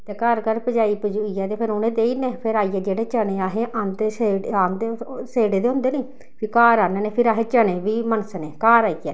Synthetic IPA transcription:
t̪ɛːkəɾkəɾpəd͡ʒaːiːpəd͡ʒuiːɛːt̪eːpʰɪɾonẽːd̪eːiːneːpʰɪɾaːiːɛːd͡ʒeːɽeːt͡ʃəɽ̃ẽːaːɦeːʔə̃nt̪eːseaːnd̪eseːɽeːd̪eːʊ̃nd̪eːneiː | pʰiːkaːɾaːneːneːpʰɪɾaːɦẽːt͡ʃəɽẽːʋiːmənəsneːkaːɾaːiːɛː

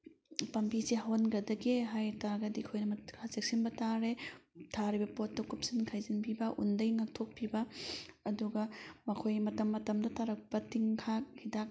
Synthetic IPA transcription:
pɐmpisihawnɡɐdɐɡeɦajtaɾɡɐdikʰojnɐmɐkʰazek̚sinbɐtaɾetʰaɾibɐpotːɐkup̚sinkʰajzinpʰibɐʔṵndɐjnak̚tʰok̚pʰibɐɐduɡɐmɐkʰojmɐtɐmːɐtɐmdɐtʰaɾɐk̚pɐtiŋkʰak̚hidak̚

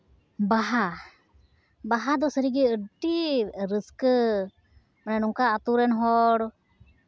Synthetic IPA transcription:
baɦa | baɦad̪ɔsəɾiɡɛəʈiɾəskə | manɛnuŋkaːt̪uɾɛnɦɔɽ

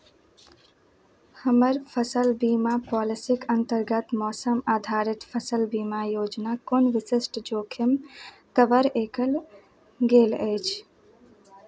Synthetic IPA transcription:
həməɾpʰəsəlbiːmapɔːlɪsikənt̪əɾɡət̪mɔːsəmaːd̪ʱaːɾɪt̪pʰəsəlbiːmajoːd͡ʒnakoːnʋɪsɪsʈd͡ʒoːkʰɪm | kəʋəɾeːkʰəl | ɡeːləɪt͡ʃʰ

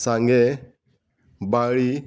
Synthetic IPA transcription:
saŋɡɛ | baɾi

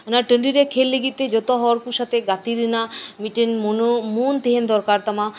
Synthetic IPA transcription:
ənaʈəɳɖiɾekʰelːeɡit̪ed͡ʑot̪aɦɔwaɾkuʃat̪eɡat̪iɾinamiʈenmonmunt̪eɦend̪ɔɾkaɾt̪ama

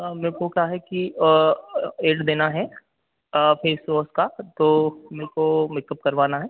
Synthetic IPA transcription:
mẽːkokaɦɛki | eːɖd̪eːnaɦɛ | pʰeːsʋoːskat̪oːmeːkomɪkəp̚kɐɾʋaːnaɦɛː

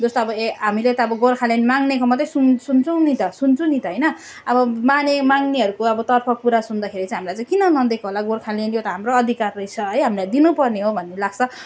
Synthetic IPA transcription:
d͡zost̪oʌbʌeɦamilet̪ʌːbʌɡorkʰalenmaŋnekomʌt̪ːesunsunt͡sʌw̃nit̪ʌsunt͡sʰũnit̪ʌɦʌjnʌ | ʌbʌmanemaŋneɦʌɾukoʌbʌt̪ʌrpʰʌpuɾasund̪akʰeɾit͡saĩɦamlajt͡sãj̃kinʌnʌd̪ekʰoɦolaɡorkʰalenjot̪ʌɦamroʌd̪ʱikarːʌjt͡sʰʌɦʌjɦamilajd̪inupʌrneɦobʱʌnːelaɡ̥̚t͡sʰʌ

